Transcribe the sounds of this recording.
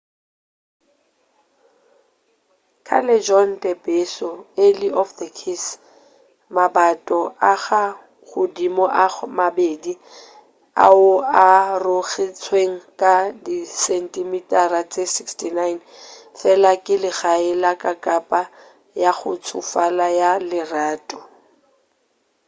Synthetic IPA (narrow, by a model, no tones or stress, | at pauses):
kʰa̰lɛd͡ʒɔndɛpesɔeliʔɔfdəkʰis | mabatʼɔʔaɣa | ɣʊdimɔʔamabeːdi | a̰ʊarʊɣɪt͡sʰweŋ̩kʼadisɛntʼɪmitʼarat͡sʼesikstʰinajn | fɛlakʼɪlɪɣaɪlakʼakʼapʼa | jaχʊt͡sʰʊfalajalɪraːtʼɔ̥